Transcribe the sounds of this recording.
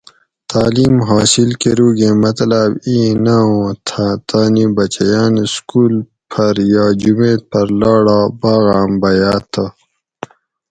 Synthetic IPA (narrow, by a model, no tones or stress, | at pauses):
t̪aːliːmɦaːsilkeɾuːɡeːmɐt̪labiːnaõːt̪ʰat̪aːnibɐt͡ɕɐjaːnskuːl | pʰɐɾjaːd͡ʑumeːpɐɾlaːɽaːbaːɣaːmbɐjaːt̪ʰə